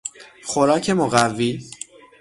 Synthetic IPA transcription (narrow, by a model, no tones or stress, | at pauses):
xoɾɒːcʰe̞moɣævːiː